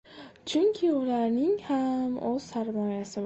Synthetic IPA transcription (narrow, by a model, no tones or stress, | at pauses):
t͡ʃʰʊŋkʲʰɪʊlaɾnɪŋhamoz̥saɾmɒjasɪb